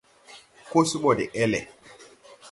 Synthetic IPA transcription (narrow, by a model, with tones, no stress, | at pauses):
ko˦su˦mɔ˨dɛ̰˨ʔɛ˦lɛ̰˨